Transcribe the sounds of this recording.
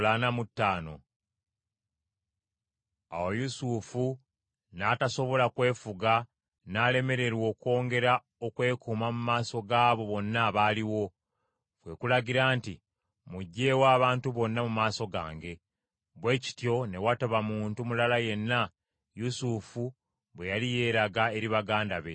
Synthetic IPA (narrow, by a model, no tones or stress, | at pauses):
lanamutːaːno̞̰ | a̰wojusufu | naːtaso̞βo̞lakwe̞ːfuɡa | naːle̞me̞ɾe̞ɾwo̞ːko̞ːŋɡe̞ɾa | okwe̞ːkumamumaːso̞ɡaːβo̞βo̞nːaβaːliwo̞ | fwe̞kulaɟiɾaːnti | muɟːe̞ːwaːβaːntuβo̞nːamumaːsoɡa̰ːŋɡe̞ | βwe̞ːci̥tjo̞ne̞wataβamuːntumulalaje̞nːa | jusufu | βwe̞jalije̞ːɾaɡae̞ɾiβaɡaːndaβe̞